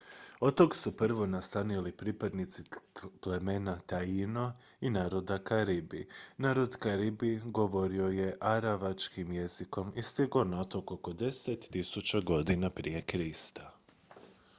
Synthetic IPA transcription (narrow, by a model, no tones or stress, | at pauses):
ot̪o̞ɡsupr̩ʋo̞nast̪anilipɾiːpad̪nit̪siple̞me̞nat̪aino | inaːɾo̞d̪akaɾibinaːɾo̞d̪kaɾibiɡo̞ʋo̞ɾio̞je̞ʔaɾaʋat͡ʃkimje̞ziko̞mist̪iɡo̞nat̪okoko̞d̪e̞set̪ːisut͡ʃaɡo̞d̪inapɾije̞kɾist̪ḁ